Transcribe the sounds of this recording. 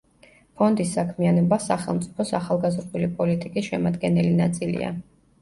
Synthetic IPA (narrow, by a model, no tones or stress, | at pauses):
pʰɔnd̪isːakʰmianɔbasaχɛlˠmt̪sʼi̥pʰɔsaχalˠɡazɾd̪ulipʼɔlit̪ʼikʼisʃɛmad̪ɡɛnɛlinat̪sʼilḭa̰